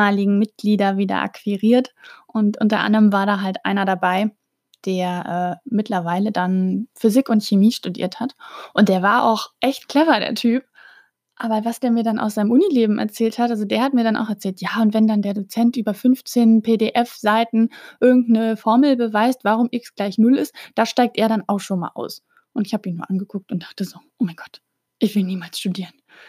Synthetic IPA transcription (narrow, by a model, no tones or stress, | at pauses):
aːlɪɡŋ̩mɪt̚ɡ̥liːdɐviːdɐ̰ʔa̰kv̥iʁiːɐtʔʊntʔʊntɐ̰ʔa̰ndəʁəmvaːɐɾaːɦaltʔa̰ɪnɐɾabaɪ | d̥eːɐʔɛːmɪtʰlɐvaɪlədanfyzɪkʊntçemiːʃtudḭːɐthatʔʊntd̥eːɐvaːɐʔa̰ʊxʔɛçtkʰl̥ɛvɐdḛːɐtʰyːp̚ | ʔaːbɐvasd̥eːɐmiːɐdanʔa̰ʊsz̥aɪəmʔʊnileːbm̩ʔɛ̰ɐt͡sɛːlthatʔalzodeːɐhat̚miːɐɾanʔa̰ʊxɛɐt͡sɛːltjaːʊntvɛndandeːɐdot͡sɛntʔyːbɐfʏnft͡seːnpʰeːdeːʔɛfz̥aɪtn̩ʔɪɐɡŋ̩tnəfɔɐml̩bəvaɪstv̥aʁʊmʔɪksɡ̥laɪçnʊlɪstd̥aːʃtaɪk̚tʔeːɐɾanaʊxʃoːnma̰ːlʔa̰ʊs | ʔʊntɪçhaːbəiːnuːɐʔanɡəkʰʊk̚tʊntd̥aχtəzoːʔoːmaɪnɡɔ̥t | ʔɪçv̥ɪlniːmaːlsʃtudiːʁən